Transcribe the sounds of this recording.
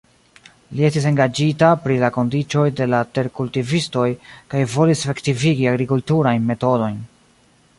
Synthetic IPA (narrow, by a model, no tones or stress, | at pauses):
lie̞stis̬e̞ŋɡad͡ʒitapɾilako̞ndit͡ʃo̞jde̞late̞ɾkultivisto̞jkajvo̞lisefe̞ktiviɡiaɡɾikultuɾajnme̞to̞do̞jn